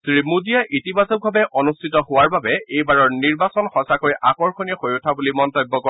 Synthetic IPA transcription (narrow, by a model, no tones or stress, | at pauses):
tɹimudijaʔitibazɔk̚bʱabɛʔɔnustʰitɔhʊwaɹbabɛejbaɹɔɹniɹbasɔnxɔsakojʔakɔɹxonijɔxojʊtʰabulimɔntɔjbːɔkɔ